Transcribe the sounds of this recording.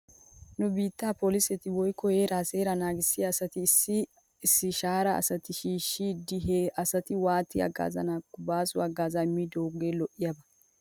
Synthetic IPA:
nʊbiːt̪ːaːpolɪsɛt̪ɪwɔjkːɔheːɾaːseːɾɐnaːɡɪsːɪɐːsɐt̪ɪsːɪ | ɪsːɪʃaːɾɐ̰ːsɐt̪ɪʃiːʃːid̪ɪɦeɐsɐt̪ɪwaːt̪ːɪɐ̰ɡa̰ːzɐ̰nakːʊbaːsʊɐɡaːzɐmːiːd̪oːɡeːlɔʔɪjɐbɐ

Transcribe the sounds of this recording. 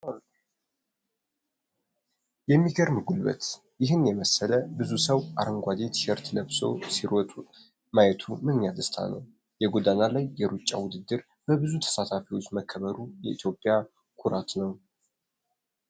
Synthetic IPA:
jɛmːiɡəɾmɨɡulbə̰t̪ | jɪɦɨnjɛməsːələbɨzusəwʔaɾəŋɡʷad̪e̞t̪ʃɛɾt̪ləβso̞̰siɾɔt̪ʼu | majɛt̪ʰumɨnɲad̪əst̪ʰa̰nə̰w | jɛɡod̪analajːɛɾut͡ʃʼːa̰wʊd̪ɨd̪ːɨɾ | bəbɨzut̪ʰə̥sat̪ʰafiwo̞t͡ʃːməkʰːəβəɾujɛ̰ʔit̪jo̞pʼːija | kʰuɾat̪nəw

